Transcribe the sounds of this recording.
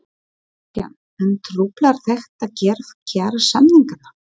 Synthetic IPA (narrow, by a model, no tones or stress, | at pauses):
pja̰n | ɛnt̪ʰɾuːplaɾ̥θɛxt̪aðcɛːɾfcʰaːɾasamniŋkana